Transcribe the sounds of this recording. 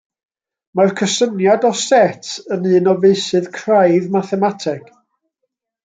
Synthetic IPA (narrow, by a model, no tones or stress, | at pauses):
markʰəsənjadɔsɛtʰənɨːnɔveɨsɨðkʰrajðmaθɛmatʰɛk